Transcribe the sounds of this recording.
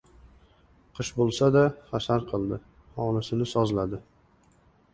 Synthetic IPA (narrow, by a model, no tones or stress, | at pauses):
qʰɨʃbolˠsad̪aχasaɾqʰɨlˠd̪ɪ | hɒnɪsɪnɪsɒzlad̪ɪ